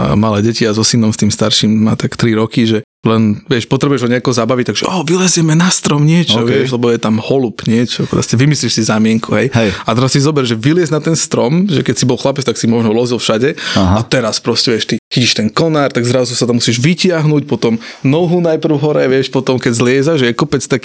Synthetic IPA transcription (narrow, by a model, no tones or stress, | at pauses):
malɛːɟɛciazɔsinɔmst̪iːmst̪aɾʃiːmːa̰ːt̪akt̪ɾiɾɔkiʒɛ | lɛnʋɪɛʃpɔt̪ɾɛbujɛʒɦɔɲɛakɔɔzabaʋic̚t̪aɡʒɛʔɔːʋilɛzjɛmɛnast̪ɾɔmɲɪɛt͡ʃɔʋɛʃlɛbɔjɛt̪amhɔlupɲɪɛt͡ʃɔkɾ̰scɛʋimisliʃsizamɪɛŋkuɦɛjat̪ɛɾasːizɔbɛɾʒɛʋilɪɛznat̪ɛnst̪ɾɔmʒɛkɛcsibɔlˠxlapɛt͡st̪aksimɔʒnɔlɔzilfʃaɟɛat̪ɛɾaspɾɔscɛʋɪɛʃt̪ixiciʃt̪ɛnkɔnaːɾt̪aɡzɾazusat̪amusiʒʋicɪaɦnucpɔt̪ɔmnɔɦunajpɾ̩ʊɦɔɾɛʋɪɛʃpɔt̪ɔmkɛɟzlɪɛzaʒʒɛjɛkɔpɛt͡st̪ak